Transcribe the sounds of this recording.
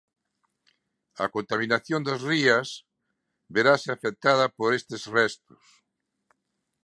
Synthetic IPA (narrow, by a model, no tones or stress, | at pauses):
a̰kont̪amĩnaθjond̪azrias | βeɾaseafek̚t̪að̞apoɾest̪ezrɛst̪o̥s